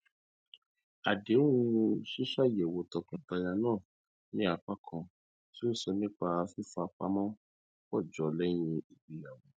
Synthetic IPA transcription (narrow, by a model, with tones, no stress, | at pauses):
a˨de˨˦ũ˧˦˧ʃi˦ʃa˦˨jɛ˨wo˧tɔ˨˧kã˧˨ta˧ja˧nãː˦˨ | nĩ˦a˧k͡pa˦kʰɔ̃˧ | si˦n̩˦sɔ˧nĩ˦k͡pa˧fi˦fa˧k͡pa̰˦mɔ̃˦ | wɔ˦˨d͡ʒɔ˨lɛ˦j̃ĩ˧i˨ɡ͡bi˨ja˨wɔ̃˨